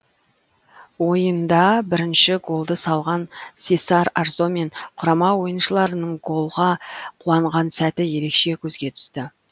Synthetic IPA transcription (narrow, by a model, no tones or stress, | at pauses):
wo̞jənd̪ɑbɪɾɪnʃɪɡo̞lˠd̪əsɑlˠʁɑnse̞sɑɾɑɾzo̞me̞ɴqʰʊɾɑmɑwo̞jənʃəlˠɑɾənəɴɡo̞lˠʁɑqʰuɑɴʁɑnsæt̪ɪje̞ɾe̞kʃe̞kʲʰɵzɡʲe̞t̪ʰʏ̥st̪ɪ